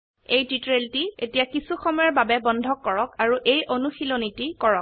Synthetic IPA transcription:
ejtitɹeltietijakisuxɔmɔjɔɹbabɛbɔndʱɔkːɔɹɔkaɹuʔejʔonuxilonitikɔɹɔk̚

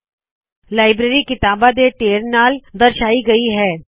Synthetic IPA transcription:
laːɪbɾeːɾikɪt̪aːbad̪eʈeːɾnaːld̪ɐɾʃaːiɡɐiɦɛː

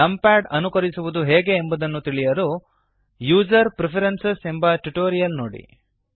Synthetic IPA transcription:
ɐmpaːʈɐnukɐɾisuʋud̪uɦɛːɡe̞ːmbɐd̪ɐnːut̪iɭijɐɾu | juːd͡ʒɐɾpɾepʰɐɾensese̞mbɐʈuʈoːɾijɐlnoːɽḭ

